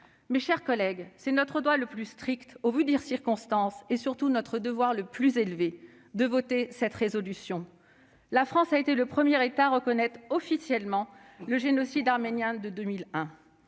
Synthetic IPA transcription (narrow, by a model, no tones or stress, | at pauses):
meʃɛʁkɔlɛɡsɛnɔt̪χəd̪waləplyst̪χikt̪ovyd̪iʁsiʁkɔ̃st̪ɑ̃sesyʁt̪unɔt̪χəd̪əvwaʁləplyzelve | d̪əvɔt̪esɛt̪ʁezɔlysjɔ̃ | lafχɑ̃saet̪eləpχəmjɛʁet̪aːʁəkɔnɛt̪χɔfisjɛlmɑ̃ləʒenɔsid̪aʁmenjɛ̃d̪əd̪ømilɛ̃